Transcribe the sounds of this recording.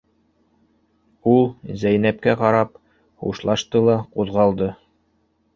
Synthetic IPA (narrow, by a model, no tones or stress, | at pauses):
ulˠzæjnæp̚kæqɑɾɑp | hṵʃlˠɑʃt̪ɤlˠɑquðʁɑlˠd̪ɤ